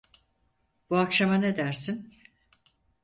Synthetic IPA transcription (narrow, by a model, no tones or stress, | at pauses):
b̥uakʃamaned̪æɾsin